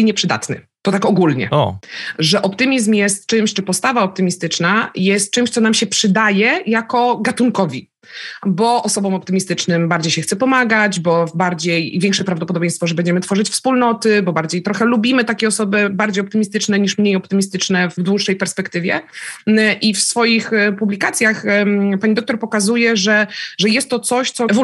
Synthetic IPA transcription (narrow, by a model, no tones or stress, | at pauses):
ɲɛpʂɘd̪a̰t̪nɘ̰t̪ɔt̪akɔɡulɲɛ̰ɔʐɛʔɔpt̪ɘmʲizmjɛst̪̚t͡ʂɘmɕt͡ʂɘpɔst̪avaɔp̚t̪ɘmʲist̪ɘt͡ʂnajɛst̪̚t͡ʂɘmɕt̪sɔnamɕɛpʂɘd̪ajɛjakɔɡat̪uŋkɔvʲi | bɔʔɔsɔbɔmɔpt̪ɘmʲist̪ɘt͡ʂnɘmbaɾd͡ʑejɕɛxt̪sɛpɔmaɡad͡ʑbɔvbaɾd͡ʑejvʲɛŋkʂɛpɾavd̪ɔp̬ɔd̪ɔbʲẽjst̪fɔʐɛbɛɲd͡ʑɛmɘt̪fɔʐɘt͡ɕfspulnɔt̪ɘbɔbaɾd͡ʑejt̪ɾɔxɛlubʲimɘt̪akʲejɔsɔbɘbaɾd͡ʑejɔpt̪ɘmʲist̪ɘt͡ʂnɛɲiʂmɲejɔpt̪ɘmʲist̪ɘt͡ʂnɛvd̪wuʂːɛjpɛɾspɛkt̪ɘvʲjɛ̰ | ʔifsfɔjixpublʲikat̪sʲjaxpaɲid̪ɔkt̪ɔɾpɔkazujɛʐɛʐɛjɛst̪ːɔt̪sɔɕt̪sɔv